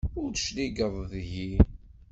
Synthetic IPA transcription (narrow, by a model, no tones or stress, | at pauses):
ʊɾθʃliɡəðˤðʝi